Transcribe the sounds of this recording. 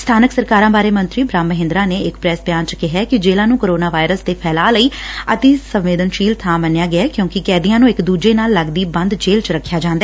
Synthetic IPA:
st̪ʰaːnəksəɾkaːɾãːbaːɾeːmə̃nt̪ɾiːbɾaːmːəɦɪ̃nd̪ɾãːneːɪkpɾɛːsbjaːnt͡ʃkɪɦɛːkɪd͡ʒeːlãːnũːkoːɾoːnaːʋaːɪɾəsd̪eːpʰɛːlaːləiːət̪eːsə̃ʋʋeːd̪ənʃiːlt̪ʰãːmənjaːɡɪɛːkjõːkɪkɛːd̪ijãːnũːɪkd̪uːd͡ʒeːnaːlːəɡd̪iːbə̃nd̪d͡ʒeːlt͡ʃɾəkʰːjaːd͡ʒãːnd̪aɛ

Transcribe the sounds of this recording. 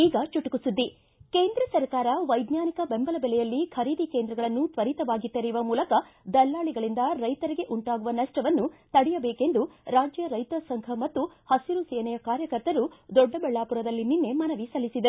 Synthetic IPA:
iːɡɐt͡ʃuʈukusud̪ːi | keːnd̪ɾɐsɐɾkaːɾɐʋɐjd̪naːnikɐbembɐlɐbɛlɛjɐlːikʰɐɾiːd̪ikeːnd̪ɾɐɡɐɭɐnːut̪ʋɐɾit̪ɐʋaːɡit̪ːɐɾiʋɐmuːlɐkɐd̪ɐlːaːɭiɡɐɭind̪ɐɾɐjt̪ɐɾiɡe̞ʔuɳʈaːɡuʋɐnɐʂʈɐʋɐnːut̪ɐɽijɐbeːke̞nd̪uɾaːd͡ʒjɐɾɐjt̪ɐsɐŋkʰɐmɐt̪ːu | hɐsiɾuseːnɛjɐkaːɾjɐkɐɾt̪ɐɾud̪ɔɖːɐbɛɭːaːpuɾɐd̪ɐlːininːe̞mɐnɐʋisɐlːisid̪ɐ

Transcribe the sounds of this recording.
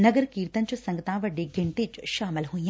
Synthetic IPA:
nɐɡəɾkiːɾt̪ɐnt͡ʃʰɐsɐ̃ŋɡət̪ãːʋɐɖeɡɪɳʈed͡ʒʃaːmɪlɦuĩã

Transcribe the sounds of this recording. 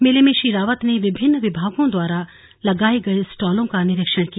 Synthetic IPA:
mɪlemẽʃiɾaːʋət̪neʋɪbʱɪnːʋɪbʱaːɡõd̪waːɾa | lɐɡaːeɡɐesʈaːlõkanɪɾɪkʃəɽkija

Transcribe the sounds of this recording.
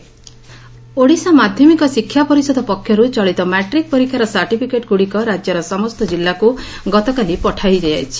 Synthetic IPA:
oɽisamad̪ʱjɔmikɔsikʰːjapɔɾisɔd̪ʱɔpɔkʰːjɔɾut͡ʃɔɭit̪ɔmɛʈɾik̚pɔɾikʰaɾɔsaɾʈipʰikeʈɡuɽikɔɾad͡ʒjɔɾɔsɔmɔst̪ɔd͡ʒilːaku | ɡɔt̪ɔkalipɔʈʰajd͡ʒaja̰jt͡ʃʰi̥

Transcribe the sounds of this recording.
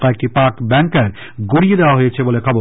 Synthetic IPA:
kɔek̚ʈipaɾkbɛŋkaɾ | ɡoɽijed̪eoaɦojet͡ɕʰebolekʰɔbo

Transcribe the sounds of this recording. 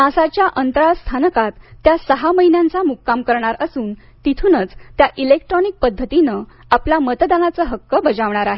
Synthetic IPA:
mãsat͡ɕjaʔənt̪əɾast̪ʰanəkat̪ːjasəɦaməɦinjãnt͡samukːamkəɾɳ̃aɾəsuːn | t̪it̪ʰunət͡st̪jaʔilekʈɾɔnik̚pəd̪ʱːət̪inə | aplamət̪d̪anat͡səːɦəkːəbəd͡zaʋɳ̃aɾaɦe

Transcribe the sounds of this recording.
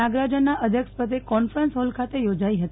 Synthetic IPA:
aɡɾad͡ʒanːaʔəd̪ʱjəkʃpət̪̬ekɔnfɾənsɦɔlkʰat̪ejod͡ʒaiɦət̪

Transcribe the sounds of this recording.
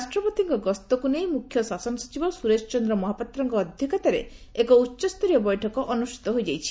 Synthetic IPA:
ɾasʈɾɔpot̪iŋkɔɡɔst̪ɔkunejmukʰjɔsasɔnɔsɔ̥t͡ʃibɔsuɾet͡ʃɔt͡ʃɔnd̪ɾɔmɔɦapat̪ːɾɔŋkɔːd̪ʱjɔkat̪aɾḛekɔutːt͡ʃɔst̪ɔɾijɔbɔjʈʰɔkɔʔɔnusʈi̥t̪ɔɦojd͡ʒajt͡ʃʰi̥

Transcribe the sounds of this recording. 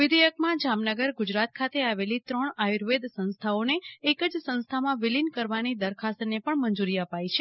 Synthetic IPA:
ʋɪd̪ejəkmãd͡ʒamnəɡəɾɡud͡ʒɾat̪̚kʰat̪ʰeaʋelit̪ɾəɳajuɾʋed̪sə̃nst̪ʰaoneːkəd͡ʒsə̃nst̪ʰamãʋɪlinkəɾʋanid̪əɾkʰast̪nepəɳməɲd͡ʒuɾiəpait͡ʃʰe

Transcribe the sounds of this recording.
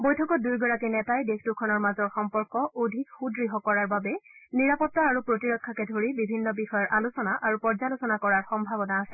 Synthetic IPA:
bojtʰɔkɔt̚dujɡɔɹakinɛtajdextukʰɔnɔɹmazɔɹxɔmpɔɹkɔʔodʱikxudɹiɦɔkɔɹaɹbabɛniɹapɔtːaaɹupɹotiɹɔkʰːakɛdʱoɹibibʱinːɔbixɔjɔɹʔalusɔnaʔaɹupɔɹzalusɔnakɔɹaɹxɔmbʱabɔnaasɛ

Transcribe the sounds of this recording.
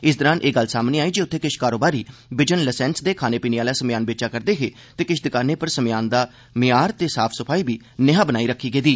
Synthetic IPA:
ɪs̬d̪əɾãːnʔeːɡəlːsaːmneːaːiːd͡ʒiʊt̪ʰːeːkɪʃkaːɾoːbaːɾiːbɪd͡ʒənləsɛ̃ːnsd̪eːkʰaːneːpiːneaːlaːsəmjaːnbeːt͡ʃaːkəɾd̪eːɦeː | t̪eːkɪʃd̪ɪkaːɾneːpəɾsəmɪjaːnd̪aː | mɪjaːɾt̪eːsaːpʰsəpʰaːiːbiː | nɪɦãːbənaːiːɾəkʰːiːɡeːd̪iː

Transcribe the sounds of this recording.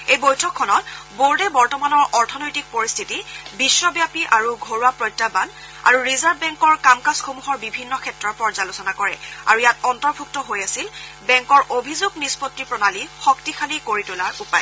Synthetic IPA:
ejbojtʰɔkʰːɔnɔt̚boɹdɛbɔɹtɔmanɔɹʔɔɹtʰɔnojtik̚poɹistʰitibisːɔbjapiʔaɹuɡʱoɹuapɹɔjtːaban | a̰ɹuɹizaɹbbɛŋkɔɹkamkasxomuɦɔɹbibʱinːɔkʰɛtɹɔɹpɔɹzalusɔnakɔɹɛ̰a̰ɹujatɔntɔɹbʱuk̚tɔɦojasilbɛŋkɔɹʔobʱizuɡnispɔtːipɹɔnalixɔktixʰalikoɹitulaɹupaj

